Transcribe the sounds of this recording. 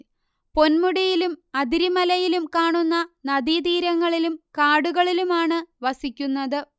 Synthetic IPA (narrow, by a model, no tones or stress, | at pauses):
po̞nmuɽɐjilumɐd̪iɾimɐlɐjilumkaːɳunːɐnɐd̪id̪iːɾɐŋːɐɭilumkaːɽuɣɐɭilumaːɳɨʋɐsikʲːunːɐðɨ